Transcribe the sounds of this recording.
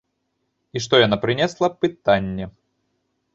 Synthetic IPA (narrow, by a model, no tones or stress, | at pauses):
iʂt̪ojanapɾʲɪnʲɛslˠɐpɨt̪anʲːɛ